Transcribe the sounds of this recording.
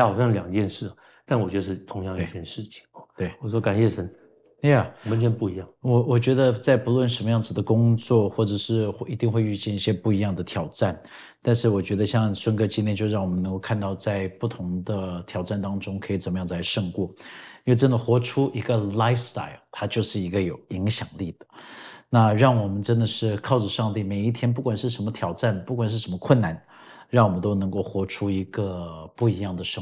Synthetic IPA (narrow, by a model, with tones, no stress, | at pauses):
ɑ˨˩ɕjɑ˥˧ŋljɑ˨˩ŋt͡ɕjɛ˥˧nʂɻ̩˥˩ɐ˩ | t̪a˥˩nwɔ˨˩ɥɛ˦˥ə˧ʂɻ̩˥˩t̪ʰʊ˧˥ŋjɑ˥˧ŋi˥˩˥t͡ɕjɛ˥˧nʂɻ̩˥˩t͡ɕʰi̥˨˩ŋt̪we˥˩ɪwɔ˨˩ʂwɔ˥ka˨˩nɕjɛ˥˩ʂə˧˥n | ja˥˩ɔ˨mə˦t͡ɕpu˥˩i˧˥jɑ˥˩ŋwɔ˨˩wɔ˨˩t͡ɕɥɛ˧˥d̪ə˧t͡sa˥˩ɪpu˧˥lwə˥˩nʂə˧˥nmə˧jɑ˥˩ŋd͡zɹ̩˩d̪ə˩kʊ˥ŋt͡swɔ˥˩xwɔ˥˩ʈ͡ʂɤ˨˩ʂɻ̩˥˩˥i˧˥t̪i˥˧ŋxwe˥˧ɪy˥˧t͡ɕjɛ˥˧ni˥˩ɕjɛ˥pu˥˩i˧˥jɑ˥˩ŋd̪ə˩t̪ʰjɑ˨˩ʊʈ͡ʂa˥˩n | t̪a˥˧nʂɻ̩˥˩wɔ˨˩t͡ɕɥɛ˧˥d̪ə˧ɕjɑ˥˧ŋswə˥nkɤ˥t͡ɕi˥njɛ˥˧nt͡ɕjo˥˧ʊ˧ɻɑ˥˩ŋwɔ˨˩mə˦nə˧˥ŋko˥˧ʊkʰa˥˧nt̪ɑ˥˧ʊt͡sa˥˧ɪpu˥˩t̪ʰʊ˧˥ŋd̪ə˧t̪ʰjɑ˨˩ʊʈ͡ʂa˥˩nt̪ɑ˥ŋʈ͡ʂʊ˥ŋkʰɤ˧˥i˨˩t͡sə˨˩nmə˦jɑ˥˩ŋ˩t͡sa˧˥ɪʂɤ˥˧ŋkwɔ˥˩˥we˥˩ʈ͡ʂə˥nd̪ə˨xwɔ˧˥ʈ͡ʂʰu˥ʔi˧˥ɡə˧la˥ɪfst̪a̰˥˩ɪlt̪ʰa˥t͡ɕjo˥˧ʊʂɻ̩˥˩i˧˥ɡə˧jo˨˩ʊi˧˥ŋɕjɑ˨˩ŋli˥˩d̪̥ə˩na˥˧ɻɑ˥˩ŋwɔ˨˩mə˦nʈ͡ʂə˥nd̪ə˨ʂɻ̩˥˩kʰɑ˥˩ʊʈ͡ʂə˩ʂɑ˥˧ŋt̪i˥˩me˨˩ɪi˥˩t̪ʰjɛ˥np̬u˥˩kwa˨˩nʂɻ̩˥˩ʂə˧˥nmə˧t̪ʰjɑ˨˩ʊʈ͡ʂa˥˩npu˥˩kwa˨˩nʂɻ̩˥˩ʂə˧˥mə˧kʰwə˥˩nna˧˩n | ɻɑ˥˩ŋwɔ˨˩mə˦nt̪o˥ʊnɤ˧˥ŋko˥˩ʊxwɔ˧˥ʈ͡ʂʰu˥i˧˥ɡə˧pu˥˩i˧˥jɑ˥˩ŋd̪ə˩ʂɤ˥˩ŋ